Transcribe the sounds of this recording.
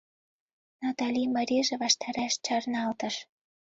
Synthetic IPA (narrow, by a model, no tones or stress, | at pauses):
nɑt̪ɑlʲimɑɾʲiʒĕβɑʃt̪ɑɾæʃt͡ɕɑrnɑlt̪ə̆ʃ